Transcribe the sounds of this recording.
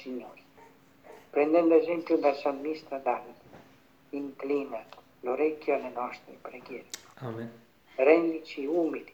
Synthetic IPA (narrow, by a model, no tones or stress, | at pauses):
siɲɔɾi | pɾɛnd̪ɛnd̪ɛzimkud̪asɔnmist̪ɾad̪alt̪ | iŋklinɛt̪ | lɔɾɛjkjɔnɛnɔʃt̪pɾɛɡɛɾa | ɾɛnlit͡ʃiumili